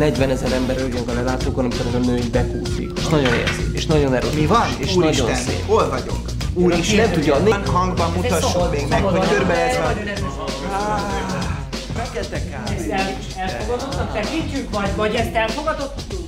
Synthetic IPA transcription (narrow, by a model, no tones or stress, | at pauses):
nɛɟvɛnɛzɛɾɛmbɛɾɟøŋkɒlɛlaːt̪oːkonɒmikoɾɛzɒnøːbɛkuːfḭkeʃnɒɟo̞nḛzḭeʃnɒɟo̞nɛɾomivɒneʃuɾnɒʃɟonsḛːpolvɒɟo̰kuːɾiʃnɛmt̪uɟːɒneŋkhɒŋɡbɒmbut̪ɒʃːomeːɡnɛkooøɾbɛɛɛɛɛɔl | fɛkɛlt̪ɛkɛɛsɛl | ɛlfoɡɒt̪ot̪nːɒk̪ɛkit͡ʃːykmɒjd̪vɒɟɛst̪ɛlfo̞ɡɒt̪ot̪ː